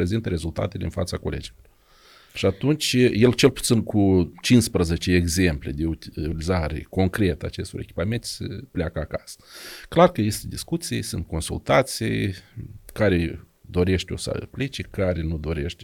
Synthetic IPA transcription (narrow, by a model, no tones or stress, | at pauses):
pɾe̞zint̪əɾe̞zult̪a̰t̪eleɨnfa̰t̪sako̞lḛd͡ʒiloor | ʃiat̪unt͡ʃje̞lt͡ʃe̞lpu̥t̪sinkut͡ʃinspɾəze̞t͡ʃeeːɡze̞mpled̪e̞ulizaɾḛko̞ŋkɾe̞t̪əa̰t͡ʃe̞st̪o̞ɾe̞kʲi̥pame̞nt̪səplʲeakəakasə̥klarkəjist̪d̪iskut̪sijḛsunt̪̚ko̞nsṵlt̪at̪sijj | kaɾed̪o̞ɾe̞ʃt̪ʲo̞̰sə̰plit͡ʃekaɾenud̪o̞ɾe̞ʃt̪ʲ